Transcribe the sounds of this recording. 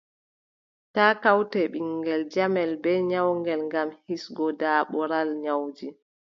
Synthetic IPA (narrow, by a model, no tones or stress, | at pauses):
taːkawtɛɓiŋɡɛld͡ʒamɛlbɛɲawŋɡɛlŋɡamhisɡɔdaːɓɔɾalɲawd͡ʒi